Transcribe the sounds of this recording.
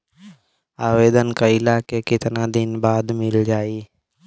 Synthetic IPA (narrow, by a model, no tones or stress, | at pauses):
aːʋeːd̪ənkaɪlaːkekɪt̪nad̪ɪnbaːd̪mɪld͡ʒaːiː